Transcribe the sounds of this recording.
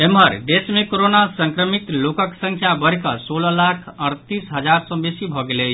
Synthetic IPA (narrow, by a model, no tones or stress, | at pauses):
emɦəɾɖ̪esmekoɾonasə̃ŋkɾəmit̪lokəksə̃ŋkʰjabəɾkəsoləlakʰəɾt̪isɦəd͡ʒaɾsə̃besibʱɔɡelət͡ʃʰ